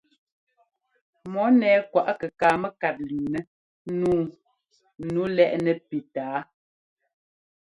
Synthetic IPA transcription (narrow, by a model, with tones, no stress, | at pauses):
mɔ˨˦nɛː˨kwa˨ʔkə˨kaː˨mə˦ka˨t̚liː˨nɛ˦ | nuː˦ | nu˨˦lɛ˦ʔnɛ˨pi˨taː˨˦